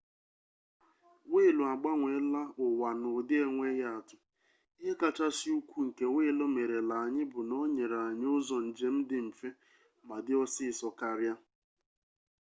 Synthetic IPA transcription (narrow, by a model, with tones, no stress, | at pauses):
ŋʷe˦˨lu˨a˨ɡ͡ba˦ŋʷe˨˦la˦ʊ˨wa˨nʊ˨dɪ˦e˨ŋʷe˦ja˦a˨tʊ˨ | i˦ɦe˦ka˨t͡ʃa˦sɪ˦u˦kʷu˦ŋ̩˨ke˦ŋʷe˦lo˦me˨ɾe˨la˨a˨ɲɪ˦bʊ˨nɔ˦ɲe˨ɾa˨ɲ˦ʊ˦zɔ˨n̩˨d͡ʒe˦m̩˦dɪ˦m̩˨fe˦ | ma˨dɪ˦ɔ˦sɪ˦˨sɔ˨ka˨ɾja˦